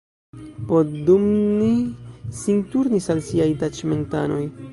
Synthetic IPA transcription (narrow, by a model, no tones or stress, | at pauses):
podumnisintuɾnisalsiajtat͡ʃme̞nta̰no̞j